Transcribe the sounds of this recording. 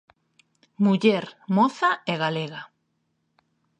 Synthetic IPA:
muʎeɾmɔθaɛɣaleɣa

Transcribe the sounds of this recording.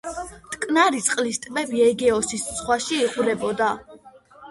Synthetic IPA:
t̪ʼkʼnaɾit̪sʼqʼlist̪ʼmɛbiɛɡɛɔsissχwaʃiːʁʼuɾɛbɔd̪a

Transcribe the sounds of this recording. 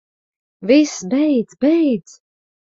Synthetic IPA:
visbɛjd̪zbɛjd̪z̥

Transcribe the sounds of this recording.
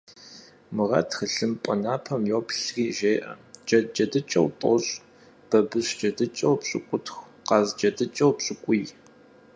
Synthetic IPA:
mɨʁɐ̰txəɬɨmpʼɐnaːpʰɐmjoːpʰɬriːʒeːʔɐ̰d͡ʒɐd͡ʒɐdɨt͡ʃʼɐ̰wtʼɔ̰ɕʼ | b̥ɐbɨɕd͡ʒɐdɨt͡ʃʼɐwpɕʼɪ̰kʷʼʊtxʷ | qɑzd͡ʒɐdɨt͡ʃʼɐwpɕʼɪkʷʼʊj

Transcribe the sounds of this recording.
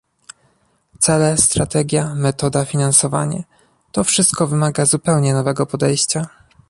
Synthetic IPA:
t̪sɛlɛst̪ɾat̪ɛɡʲjamɛt̪ɔd̪afʲinansɔva̰ɲa̰ | t̪ɔfʂɘst̪̚kɔvɘmaɡazupɛwɲɛnɔvɛɡɔpɔd̪ɛjɕt͡ɕa

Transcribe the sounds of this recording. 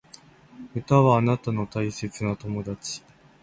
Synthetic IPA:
ɯ̟t̪aβaːnat̪ano̞t̪aise̞t͡sɨnat̪o̞mo̞d̪at͡ɕi̥

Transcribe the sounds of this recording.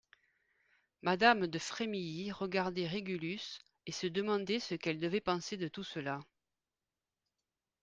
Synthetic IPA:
mad̪amd̪əfχemijiʁəɡaʁd̪ɛʁeɡylys | esəd̪əmɑ̃d̪ɛsəkɛld̪əvɛpɑ̃sed̪ət̪usəla

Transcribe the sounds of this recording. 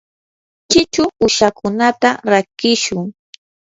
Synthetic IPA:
t͡ʃɪt͡ʃʊʊʃakʊnat̪aɾakɪʃʊŋ

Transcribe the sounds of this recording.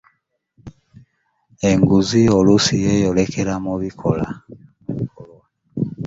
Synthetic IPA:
eŋɡuziolusijejolekeɾamuβikʰola̰ | βikolwa

